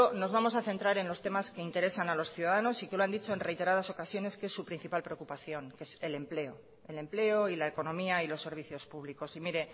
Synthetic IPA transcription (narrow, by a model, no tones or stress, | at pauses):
ono̞zβamo̞s̬aθe̞nt̪ɾaɾe̞nlo̞st̪e̞maske̞int̪e̞ɾe̞sanalo̞sθjuðaðano̞sike̞loand̪it͡ʃo̞e̞nre̞jt̪eɾað̞aso̞kasjo̞ne̞skesːupɾin̟θipalpɾe̞o̞kupaθjo̞ŋke̞se̞le̞mple̞o̞ | e̞le̞mple̞o̞ilae̞ko̞nõ̞miailo̞sːe̞ɾβ̞iθjo̞spuβ̞liko̞simiɾe̞